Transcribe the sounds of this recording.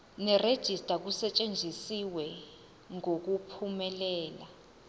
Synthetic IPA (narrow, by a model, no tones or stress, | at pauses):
nɛred̥ʒ̥ʱistʼak̬usɛt͡ʃʼend͡ʒʱisiwɛ | ŋok̬upʰumɛlɛːla